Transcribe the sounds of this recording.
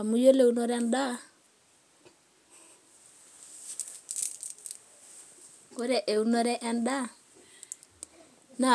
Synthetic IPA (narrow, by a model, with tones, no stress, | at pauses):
a˨mu˦jo˦le˦u˦no˦ɾɛ˦nda˦ | ko˦ɾɛ˨ʔe˨u˦nɔ˦ɾɛ˦ʔɛ˦nda˦ | na˦˨